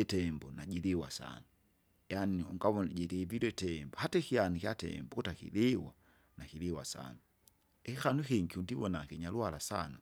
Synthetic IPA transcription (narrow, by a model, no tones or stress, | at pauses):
ɛtɛmbɔnaɟiɾiwa̰sa̰na | janiuŋɡaβɔnaɟɛɾiviɾwɛtɛmbɔhatɛkianikjatɛ̰mbɔkutakḭɾiwa | nakiɾiwa̰sa̰na | ɛkixanuxiŋɡiundiβɔnakiɲaluhalasa̰na